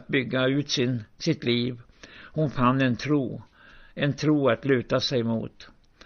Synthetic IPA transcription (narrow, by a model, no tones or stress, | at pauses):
t̪̚bʏɡːaʉ̟ːt̪sɪnsɪt̪liːv | hʊnfanːɛnt̪ʰɾuː | ɛnt̪ʰɾuːat̪lʉ̟ːt̪asɛjmṵːt̪